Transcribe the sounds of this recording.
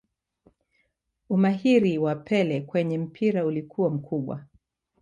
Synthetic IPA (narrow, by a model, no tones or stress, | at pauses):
umaɦiɾiwapʰɛlɛkwɛɲɛm̩pʰiɾaulikʰuwam̩kʰuɓwa̰